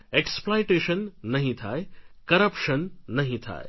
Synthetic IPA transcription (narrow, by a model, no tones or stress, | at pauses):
eksplojʈeːʃənːɐɦĩt̪ʰaːekɐɾɐpʃənːɐɦĩt̪ʰa̰ːe